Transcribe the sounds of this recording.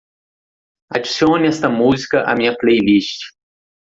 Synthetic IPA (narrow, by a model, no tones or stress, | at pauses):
ad͡ʒisiõnnɛst̪ɐmuzikɐʔa̰mĩɲɐplejlist͡ʃɪ̥